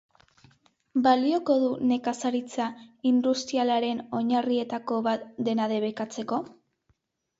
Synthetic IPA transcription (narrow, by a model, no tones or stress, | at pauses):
balio̞ko̞ðune̞kasaɾit͡saind̪ust̪ɾialaɾe̞no̞ɲarie̞t̪ako̞βat̪d̪e̞naðe̞β̞e̞kat͡se̞ko̞